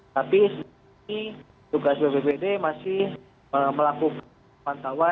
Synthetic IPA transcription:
t̪apisən | i | tuɡasbebebedemasɪh | əməlakuka | mant̪awa

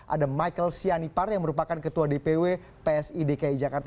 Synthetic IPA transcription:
ʔa̰damajkəlsianiparjaŋməɾupakankət̪uadepewe | peɛsidekaid͡ʒakart̪

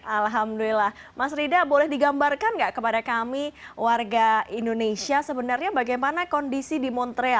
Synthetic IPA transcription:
ʔalɦamduilahmasɾidabolɛhdiɡambarkanɡaʔkəpadakamiwarɡaindonesiasəbənarɲabaɡajmanakɔndisidimɔnt̪ɾea

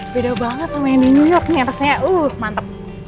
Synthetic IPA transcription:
bedabaŋət̪samajaŋdinujɔrk̚niaɾaksajaʔuhmant̪əp̚

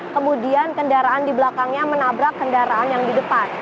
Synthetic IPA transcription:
kəmudiankəndaɾaandiblakaŋɲamənabɾakːəndaɾaʔanjaŋdidəpan

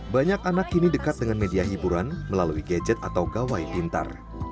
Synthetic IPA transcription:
baɲakanakinidəkat̪̚dəŋanmediaɦibuɾanməlaluiɡad͡ʒɛt̪at̪awɡawajpint̪a̰r

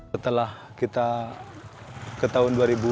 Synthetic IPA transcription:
ət̪əlah | kit̪a | kət̪aɦʊnduaɾibu

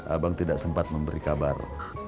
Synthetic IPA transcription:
a̰baŋt̪idaʔsəmpat̪̚məmbəɾikaba̰r

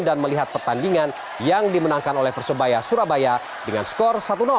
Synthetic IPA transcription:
danməliɦat̪̚pərt̪andiŋan | jaŋdimənaŋkanolɛhpərsəbajasuɾabaja | dəŋanskɔrsat̪una

